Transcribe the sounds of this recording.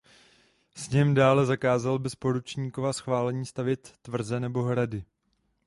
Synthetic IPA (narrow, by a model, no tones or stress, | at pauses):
sɲɛmdaːlɛzakaːzalbɛspo̞ɾut͡ʃɲiːkovasxvaːlɛɲiːst̪avjɛt̪ːvr̩zɛnɛbo̞ɦɾadɪ